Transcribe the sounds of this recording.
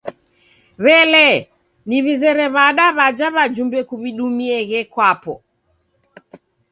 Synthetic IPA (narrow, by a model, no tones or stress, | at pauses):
βɛlɛ | niβizɛɾɛβaɗaβad͡ʒaβad͡ʒumbɛkuβiɗumiɛɣɛkwapɔ̰